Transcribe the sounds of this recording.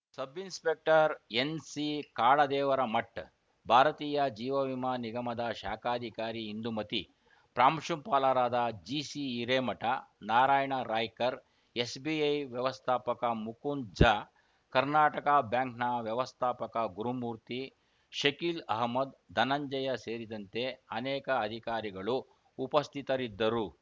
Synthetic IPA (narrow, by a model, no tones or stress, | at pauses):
sɐbinspek̚ʈɐɾensikaːɭɐd̪ɛːʋɐɾɐmɐʈː | bʱaːɾɐt̪iːjɐd͡ʒiːʋɐʋimaːniɡɐmɐd̪ɐʃaːkʰaːd̪ʱikaːɾiːnd̪umɐt̪i | pɾaːmʂumpaːlaːɾaːd̪ɐd͡ʒiːsiːɾeːmɐʈɐnaːɾaːjɐɳɐɾaːjkɐɾ | esbiɐjʋjɐʋɐst̪ʰaːpɐkɐmukund͡ʒa | kɐɾnaːʈɐkɐbjaːŋknɐʋjɐʋɐst̪ʰaːpɐkɐɡuɾumuːɾt̪i | ʃɐkiːlɐɦmɐd̪d̪ɐnɐɲd͡ʒɐjɐseːɾid̪ɐnt̪e̞ɐnɛːkɐːd̪ʱikaːɾiɡɐɭuː | pɐst̪ʰit̪ɐɾid̪ːɐɾu